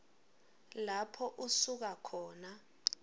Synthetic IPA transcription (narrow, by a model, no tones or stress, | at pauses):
lapʰɔʔusuk̬akʰɔːna